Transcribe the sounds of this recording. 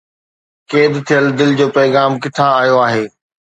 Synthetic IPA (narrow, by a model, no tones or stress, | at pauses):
keːd̪t̪ʰijəld̪ɪld͡ʑoːpɐːɣaːmkɪʈ̪ʰaaːjoaːɦeː